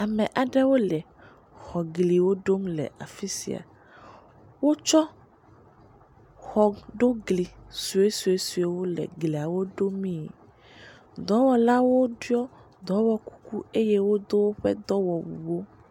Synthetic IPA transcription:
a˨mɛ̃˨ʔa˨ɖɛ˦wo˦lɛ˨ | xɔ˨ɡli˨wo˦ɖo˦mlɛ̰˨ʔa̰˨fi˦sḭ˨a̰˨ | wo˦t͡ʃɔ˦ | xɔ˨ɖo˦ɡli˨su˨e˦su˨e˦su˨e˦wo˦lɛ̰˨ɡli˨a˨wo˦ɖo˦mĩ˦˨ | d̪ɔ̃˨˦wɔ˨la˦wo˦ɖu˦ɔ˦ | d̪ɔ̃˨˦wɔ˦ku̥˦ku˦e˦je˦wo˦d̪o˦wo˦ɸɛ˦d̪ɔ˦wɔ˨bṵ˨wo˦

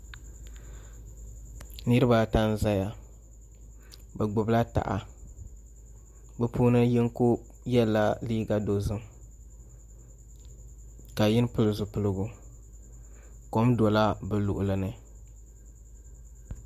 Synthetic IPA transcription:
nɨ˦ɾɨ˦ba˦ta˦n˦za˦ja˨ | bɛ˨ɡ͡bʊ˨bla˦ta̰˨ʔa̰˨ | bɛ˦pʰuː˦nɨ˦jɪ˦ŋ˦ku˦ | jɛ˦la˦liː˦ɡa˦do˨zɨ˦m | ka˨jɪ˦n˦pɨ˦lɨ˦zʊ˨pɨ˨lɨ˦ɡu˨ | ko˦mdo˨la˦bɨ˨lʊ˨ʔʊ˨lɨ˨nɨ˦

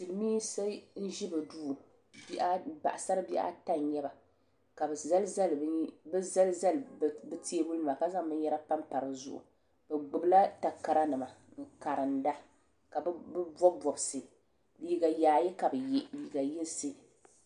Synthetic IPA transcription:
ti˨lɨ˨miː˦sa˦n̩˦ʒi˦bɨ˨duː˦˨ | bʔa˦ba̰˨ʔa˨sa˦ɾɨ˦bi˦ʔa̰˦ta˦n˦ɲɛ˦ba˨ | ka˨bɛ˨za˦lza˦lbɛ˦za˦lza˦lbɨ˦ti˦e˦bu˦lnɨ˨ma˨ka˦za˦ŋbɨ˦ɲ˦jɛ˦ɾa˦pa˦mpa˨ɾɨ˨zʊ̰˦ʔṵ˨ | bɛ˨ɡ͡bʊ˨bla˦ta˨ka˨ɾa˦nɨ˨ma˨ŋ̩˨ka˨ɾɨ˨nda˦ | ka˨bbɨ˦bɔ˦bɔ˨bsɨ˨ | liː˦ɡa˨jaː˨jɛ˦ka˨bɨ˨jliː˨ɡa˨ji˦n˦sɨ˦

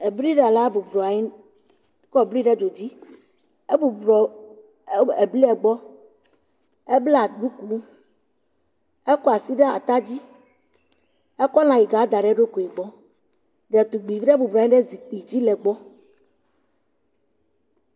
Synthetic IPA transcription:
e˨bɾi˦ɖɛ˨la˦bu˨bɾa˨i˦ | kɔ˦˨bɾi˦ɖɛ˦d͡ʒo˨d͡ʑi˦ | e˦bu˨ɔ˨˦ | e˨bli˦ɛ˨ɡ͡bɔ˦ | e˦ble˦a˨ɖu˦ku˨lu˦ | ɛ˦kɔ˦a˨si˦ɖe˦a˨t̪a˦d͡ʑi˦ | ɛ˦kɔ˦lã˨ji˨ɡa˨˦d̪a˨ɖɛ˦ɖo˦ko˨i˨ɡ͡bɔ˦ | ɖɛ˨t̪u˨ɡ͡bi˨vi˦ɖɛ˦bu˨bɾa˨˦ɲi˦ɖɛ˦zi˨k͡pi˨d͡ʑi˦lɛ˨ɡ͡bɔ˦

